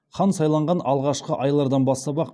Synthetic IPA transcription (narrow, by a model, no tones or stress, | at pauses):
χɑnsɑjlˠɑɴʁɑnɑlˠʁɑʃqəʔɑjlˠɑɾd̪ɑnbɑst̪ɑbɑq